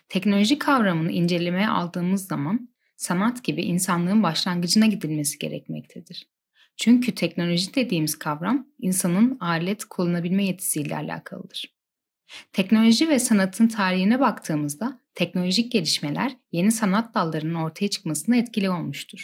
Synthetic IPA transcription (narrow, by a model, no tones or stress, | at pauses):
t̪ʰɛcno̞lʲo̞ʒikʰavɾamɯnɯind͡ʒe̞lʲe̞me̞jɛʔa̰lˠd̪ɯːmɯzːaman | sanat̪ɟ̥ibḭʔinsanlˠɯːɯnbaʃlˠaŋɡɯd͡ʒɯnaɟid̪ilʲme̞si̥ɟ̥e̞̰ɾɛ̰cmɛ̰c̚t̪ʰed̪iɾ̥ | t͡ʃʰyɲcʰyt̪ʰɛcno̞lʲo̞ʒid̪e̞d̪iːmiz̥kʰavɾaminsanɯnaːlʲɛt̪kʰulˠunabilʲmɛjet̪ʰi̥siːlʲɛ̰a̰lʲa̰ːkʰa̰lˠɯ̰d̪ɯɾ̥ | t̪ʰɛcno̞lʲo̞ʒivɛsanat̪ʰɯnt̪ʰaːɾiɦinɛbakt̪ʰɯːmɯzd̪at̪ʰɛcno̞lʲo̞ʒic̚ɟe̞lʲiʃmelʲæ̰ɾje̞nisanat̪̚d̪alˠːaɾɯnɯno̞ɾt̪ʰajat͡ʃʰɯ̥kmasɯnaɛt̪cilʲio̞lˠmuʃt̪ʰuɾ̥